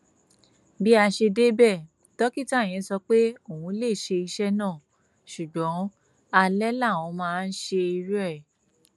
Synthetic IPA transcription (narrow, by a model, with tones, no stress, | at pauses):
bi˦a˧ʃe˧de˦bɛ˦˨ | tɔ˦ki˦˨ta˦˨j̃ɛ̃˨˦sɔ˧k͡pe˦o˨wũ˧˦le˦˨ʃe˧i˧ʃɛ˦nãː˦˨ | ʃu˨ɡ͡bɔ̃˨˦ | a˧lɛ˦la˦˨w̃ɔ̃˨˧˦mãː˦˧n̩˦ʃe˧i˧ɾɛ˦ɛ˨